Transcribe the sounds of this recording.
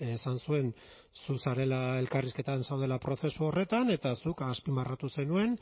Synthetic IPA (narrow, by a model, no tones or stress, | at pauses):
esansue̞n | susaɾe̞lae̞lkariske̞t̪ansawð̞e̞lapɾo̞θe̞suo̞re̞t̪ane̞t̪asukaspimbarat̪use̞nue̞n